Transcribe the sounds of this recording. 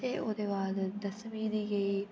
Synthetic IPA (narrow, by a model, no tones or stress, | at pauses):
eʔoːd̪eʋaːd̪d̪ɐsmiːd̪iːɡɐiː